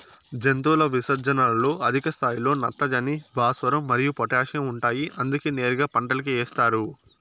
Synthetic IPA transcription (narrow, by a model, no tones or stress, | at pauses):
d͡ʒent̪uːlɐʋisɐɾd͡ʒɐnalɐlo̞ːʔɐd̪ʱikɐst̪ʰaːjilo̞ːnɐt̪ːɐd͡ʒɐnibaːsʋɐɾɐmːɐɾijupɔʈaːʂɐmuɳʈaːjiʔɐnd̪ukiːneːɾuɡaːpɐɳʈɐlɐk̬ieɛːst̪aːɾu